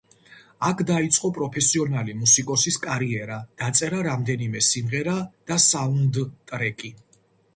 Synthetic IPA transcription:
akʰd̪ait̪sʼqʼɔpʼɾɔpʰɛsiɔnalimusikʼɔsiskʼaɾiɛɾad̪̥at̪sʼɛɾaɾamd̪ɛnimɛsimʁɛɾad̪̥asaund̪t̪ʼɾɛkʼi

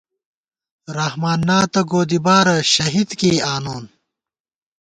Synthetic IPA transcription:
ɾɐhmaːnːaːt̪ɐɡoːd̪ibaːɾɐɕɐɦid̪keːaːnoːn

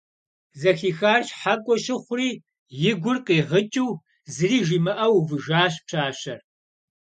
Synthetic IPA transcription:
zɐxiːxaːrɕħakʷʼɔʃɪχʷriː | jɪɡʷʊrqiːʁət͡ʃʼiw | zɨriːʒiːmɐʔɐwvɨʒaːɕ̬pɕaːɕɐr

